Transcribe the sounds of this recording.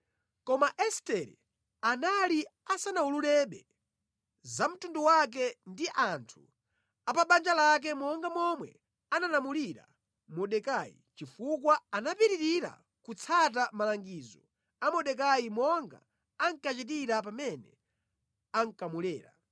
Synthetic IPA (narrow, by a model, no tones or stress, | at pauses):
kɔmaʔɛstɛɾɛ̰ | analiasanaululɛɓɛ | zam̩tunduwak̬ɛndiʔantʰu̥ | apaɓand͡ʒalak̬ɛmɔŋɡamɔmwɛ̰ | analamuliɾa̰ | mɔɗɛkaḭt͡ʃifukwaanapiɾiɾiɾa̰ | kut͡sʰat̬amalaŋɡiːzɔ | amɔɗɛk̬aimɔŋɡa̰ː | ŋkat͡ʃit̬iɾapamɛnɛ̰ | aŋ̩kamulɛːɾa̰